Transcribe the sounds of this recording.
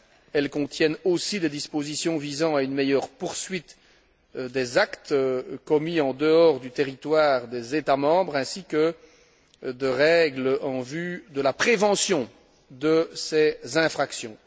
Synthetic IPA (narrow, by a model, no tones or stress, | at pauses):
ɛlkɔ̃t̪jɛnosid̪ed̪ispozisjɔ̃vizɑ̃aynmejœʁpuʁsɥit̪ | d̪ezakt̪kɔmiɑ̃d̪əɔʁd̪yt̪eʁit̪waːʁd̪ezet̪amɑ̃bʁɛ̃sikə | d̪əʁɛɡlɑ̃vyd̪əlapχevɑ̃sjɔ̃ | d̪əsezɛ̃fχaksjɔ̃